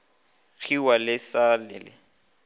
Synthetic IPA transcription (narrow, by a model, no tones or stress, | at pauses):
ɣʰiwalɪsalɪlɪ